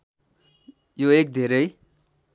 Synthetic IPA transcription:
joek̚d̪ʱeɾʌj

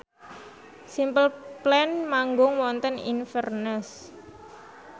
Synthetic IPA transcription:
simpəlplɛnmaŋɡʊŋwɔnt̪ənḭnfərnəs

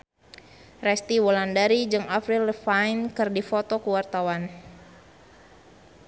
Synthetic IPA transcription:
rɛst̪iwɔlandaɾid͡ʒɨŋafɾiləfajnkɨrdifot̪ɔkəwart̪awan

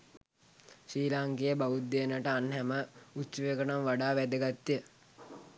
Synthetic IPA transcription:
ʃiːlaŋkejəbaʋut̪̚d̪eənəʈəanɦɛməut͡ʃuʋekənomʋaɖaːʋæd̪əɡat̪ːijə

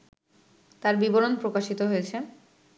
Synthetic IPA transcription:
t̪aɾbiboɾonpɾokaʃit̪oɦoet͡ɕʰe

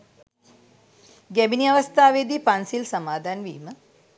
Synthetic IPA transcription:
ɡæbiniaʋəst̪aːʋed̪iːpansilsamaːd̪ʱaːnʋḭːmə

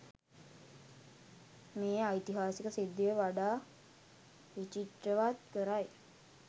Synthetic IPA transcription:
meːajt̪iɦaːsikəsid̪ːəəʋaɖaː | ʋit͡ʃiʈ̪ɾəʋat̪kəɾaj

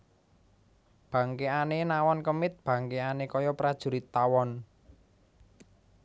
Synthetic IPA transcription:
b̥ä̤ŋkeanenawɔnkəmɪt̪̚b̥ä̤ŋkeanekɔjɔpɾad̥ʒ̥ṳɾit̪ːawɔn

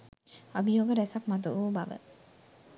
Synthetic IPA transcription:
abijoːɡəɾɛsakmat̪̬uʋuːbaʋə̰

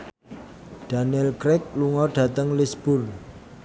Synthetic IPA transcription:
d̥a̤nɛlkɾɛk̚luŋɔɖ̥ä̤t̪əŋlisb̥ʊr

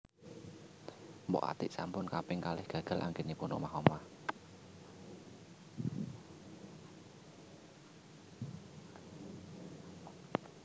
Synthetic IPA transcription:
mbɔ̰ʔa̰t̪ɪʔsampʊnkapɪŋkalɪhɡ̥ä̤ɡ̥a̤lʔa̰ŋɡenipʊnɔ̰ʔmaɦɔma

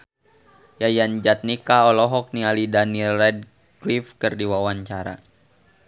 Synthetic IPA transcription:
jajand͡ʒat̪̚nikaɔlɔɦɔk̚nialidanilːɛd̚ | klifkərdiwawaɲt͡ʃaɾa̰

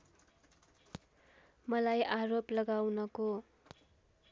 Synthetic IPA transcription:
mʌlajʔaɾoplʌɡawnʌko

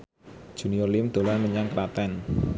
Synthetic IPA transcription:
d̥ʒ̥uniolimd̪̥o̤laməɲaŋkɾat̪ɛn

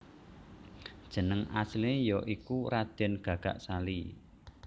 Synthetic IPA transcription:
d̥ʒ̥ə̤nəŋa̰slejɔʔikuɾad̪̥ɛnɡ̥a̤ɡ̥aʔsali

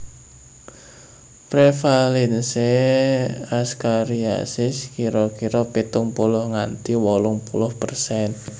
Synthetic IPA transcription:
pɾefalɛnse | askaɾia̰sɪskiɾɔkiɾɔpit̪ʊŋpulʊhŋant̪iwɔlʊŋpulʊhpərsɛn

